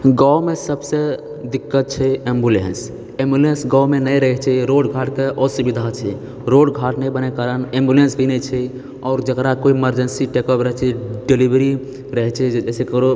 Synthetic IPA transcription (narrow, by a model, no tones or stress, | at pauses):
ɡawmesəbse | d̪ikːət̪̚t͡ʃʰɛembulens | embulensɡawmenəjɾəɦɛt͡ʃʰɛɾoɖɡʱaʈkeʔɔsubid̪ʱat͡ʃʰɛ | ɾoɖɡʱaʈnəjbənekaɾənembjulensbʱinɛt͡ʃʰɛ | ɔːɾd͡ʒəkɾakoieməɾd͡ʒənsiʈekɔpɾəɦt͡ʃʰɛɖelibɾi | ɾəɦɛt͡ʃʰɛd͡ʒɛsekɾo